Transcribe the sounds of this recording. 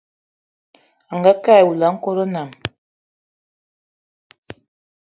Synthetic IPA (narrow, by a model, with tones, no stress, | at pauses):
a˨ŋɡa˦ka˦ɛ˨wu˨la˨˦ŋ̩˦ko˦ɾo˦na˨m